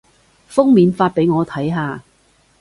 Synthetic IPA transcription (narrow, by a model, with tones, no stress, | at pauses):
fʊ˥ŋmiː˨˧nfaː˧t̚pe˨˥jŋɔː˨˧t̪ʰɐ˨˥jɦaː˨˧